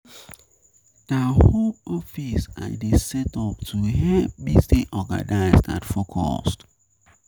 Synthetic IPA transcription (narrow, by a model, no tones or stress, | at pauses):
d̥ahõmɔfisa̰desɛtɔp̚tʰuɦɛvbistiʔɔɡa̰naɪsda̰tfokʰɔ̰st